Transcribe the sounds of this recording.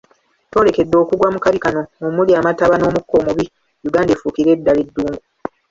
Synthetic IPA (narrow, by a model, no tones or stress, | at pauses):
to̞ːle̞ke̞dːo̞kuɡwamukaβikano̞umuliaːmataβano̞ːmukːo̞ːmuβi | juɡaːndefuːkiɾe̞ːdːaledːuːŋɡu